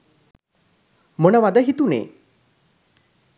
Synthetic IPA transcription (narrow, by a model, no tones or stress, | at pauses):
mənaʋad̪aɦit̪unḛ